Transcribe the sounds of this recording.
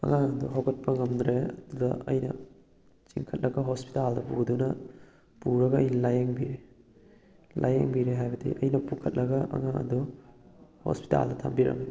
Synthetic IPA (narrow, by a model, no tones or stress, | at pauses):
ɐ̰ŋaŋɐduɦawɡɐt̚pʰɐŋɐmdɾeɐdudɐɐ̰jnɐ̰ | t͡ʃiŋkʰɐt̚lʔɐɡɐɦospi̥taldɐpudunɐ | puɾɐɡɐɐjnɐlajeŋbiɾe | lʔa̰jeŋbiɾeɦajbɐdḭʔɐ̰jnɐpukʰɐt̚lʔɐɡɐʔɐ̰ŋaŋɐ̰du | ho̰spi̥ta̰ldɐtʰa̰mbiɾɐ̰m